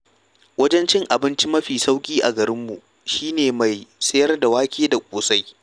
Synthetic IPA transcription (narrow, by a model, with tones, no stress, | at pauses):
wɐ˦d͡ʒɛ˦nt͡ʃɪ˦ŋʔa˨bɪ˦nt͡ʃi˦mɐ˦ɸiː˨sa˦wkʲʼiː˦ʔa˨ɡɐ˨ɾɪ˦mːu˨ | ʃiː˦neː˨ma˨jsɐ˦jɐ˦rda˨waː˦kʲʰʼeː˦da˨kʷʼoː˨sa˦j